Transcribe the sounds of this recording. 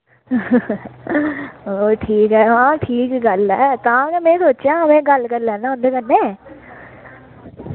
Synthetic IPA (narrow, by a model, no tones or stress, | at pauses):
oːʈʰiːkɦɛːɦãːʈʰiːkɡɐlɦɛt̪ɐɦãkemẽsoːt͡ʃãɦɐmẽɡɐlkɐɾlɛ̃ːnaʊnd̪ekɐnːe